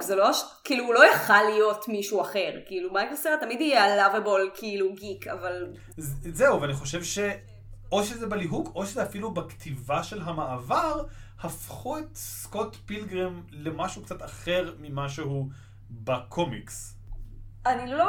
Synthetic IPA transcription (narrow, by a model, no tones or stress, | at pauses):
kzeloʃkiːluːlo̞jaχalijo̞tmiʃuaχe̞ʁkiilumajkɡleseatamidijealavebolkʰiiluɡikʰa̰val | zzeuveaniχo̞ʃevʃe | o̞ʃezebaliɦuɡʰo̞ʃezeafilubakt̪ʰivaʃe̞lɦamaːvaʁhafχuet̪skotbilɡʁemlemaʃukt͡sat̪aχe̞ʁmimaʃeɦu | bakʰomḭks | anilo